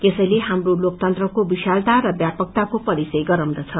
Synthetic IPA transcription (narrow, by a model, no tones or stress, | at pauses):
t̪esʌjleɦamrolok̚t̪ʌnt̪rʌkobiʃalt̪aɾʌbjapʌk̚t̪akopʌɾisʌjɡʌɾʌ̃w̃d̪ʌt͡sʰʌ